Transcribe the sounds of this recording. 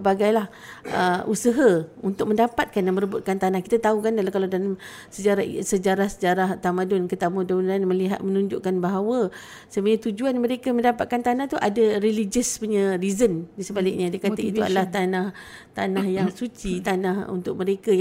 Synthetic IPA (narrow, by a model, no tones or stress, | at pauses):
əbaɡajlah | ʔəusəɦəunt̪ʊk̚məndapat̪̚kanjaŋməɾəbʊt̪̚kant̪anahkit̪at̪aukandalakaladalam | səd͡ʒaɾasəd͡ʒaɾahsəd͡ʒaɾaht̪amadʊnkət̪amudaunanmə̃liɦat̪̚mənũɲd͡ʒʊʔkanbaɦawə | səmaat̪ud͡ʒuanmə̃ɾekaməndapa̰t̪̚kant̪anaht̪uʔadaɾelid͡ʒəspuɲaɾizəndisəbalɪ̰k̚ɲadiəkaait̪ua̰dalaht̪anaht̪anahjaŋsut͡ʃit̪anahṵnt̪ʊk̚mə̃ɾekaj